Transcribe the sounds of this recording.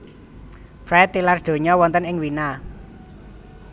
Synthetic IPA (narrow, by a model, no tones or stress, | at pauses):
fɾɛt̪ːilard̥ʒ̥o̤ɲɔwɔnt̪ənɪŋwina